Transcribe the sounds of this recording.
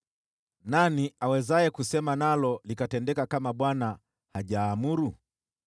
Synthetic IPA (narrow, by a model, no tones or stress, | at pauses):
naniawɛzajɛkusɛmanalɔlikatɛndɛkakamaɓwana | haʄaːmuɾu